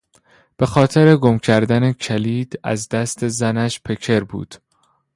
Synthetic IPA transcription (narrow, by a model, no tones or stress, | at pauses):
b̥e̞xɒːt̪ʰe̞ɾe̞ɡomcʰæɾd̪ænecʰæliːd̪̥æ̰zd̪æst̪ʰe̞zænæʃpʰe̞kʰe̞ɾbṵːd̪̥